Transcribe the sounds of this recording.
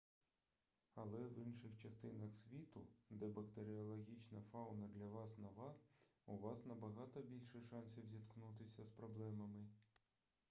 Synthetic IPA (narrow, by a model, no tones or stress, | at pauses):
ɐlˠɛʋinʃɪxt͡ʃɐst̪ɪnɐxsʲʋʲit̪ʊd̪ɛbɐkt̪eɾʲɪɔlˠɔɦʲit͡ʃnɐfɑwnɐd̪lʲɐʋɑsnɔʋɑuʋɑsnɐbɐɦɑt̪ɔbʲilʲʃɛʃɑnʲsʲiwzʲit̪knut̪ɪsʲɐspɾɔblˠɛmɐmɪ